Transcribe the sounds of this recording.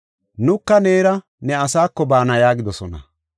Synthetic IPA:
nʊkːɐne̞ːɾɐ | nɛɐsaːkːɔbaːnɐjaːɡɪd̪ɔsɔnɐ̰

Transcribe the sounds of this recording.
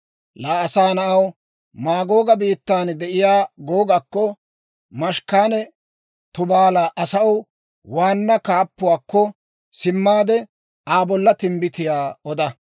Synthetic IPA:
laːɐsaːnɐʔɐw | maːɡo̞ːɡɐbiːt̪ːaːnd̪ɛʔɪjaːɡoːɡakːɔ | mɐʃkaːnɛ | t̪ʊbaːlaːʔɐsɐɔw | waːnːɐkaːpːʊwaːkːɔ | sɪmːaːd̪ɛ | aːbɔlːɐt̪ɪmbɪt̪ɪjaːɔd̪ɐ

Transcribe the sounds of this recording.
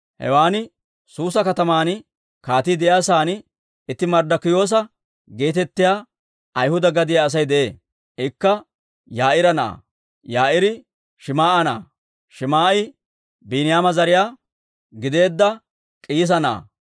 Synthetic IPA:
hɛ̰waːnɪ | suːsɐkɐt̪ɐmaːn | kaːt̪id̪ɛʔjaːsaːn | ɪt̪ːɪmɐɾd̪ɐkːɪjo̞ːs̬ɐ | ɡe̞ːt̪ɛt̪ːɪjaː | ɐjhʊd̪ɐɡɐd̪ɪjaːs̬ɐjd̪ɛʔeː | ɪkːɐ | jaːʔɪɾɐna̰ː | jaːʔɪɾɪ | ʃɪmaːʔɐna̰ː | ʃɪmaːʔɪ | biːnɪjaːmɐzɐɾɪjaː | ɡɪd̪e̞ːd̪ːɐ | kʼiːs̬ɐna̰ː

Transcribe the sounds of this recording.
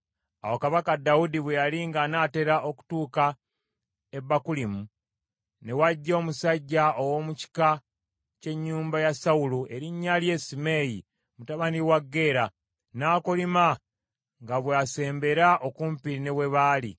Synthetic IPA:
awokaβakadːaudiβwejaliŋɡanaːte̞ɾaʔo̞ku̥tuːka | ebːakulimu | ne̞waɟːo̞ːmusaɟːao̞wo̞muci̥ka | ce̞ɲːuːmbajasauluʔe̞ɾiɲːalje̞ːsime̞ji | mutaβaniwaɡːe̞ːɾa | naːkolima | ŋɡaβwease̞ːmbe̞ɾaʔo̞kumpiɾine̞we̞βaːlḭ

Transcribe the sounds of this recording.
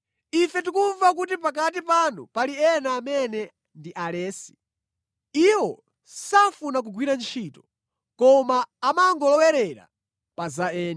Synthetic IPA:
ifɛtikuɱvak̬ut̬ipak̬atipanupaliɛnaːmɛnɛ | ndiʔalɛːsi̥ | iwɔ | safunak̬uɡwiɾant͡ʃʰiːtɔ̥ | kɔmaːmaŋɡɔlɔwɛɾɛɾa̰ | pazaɛːn

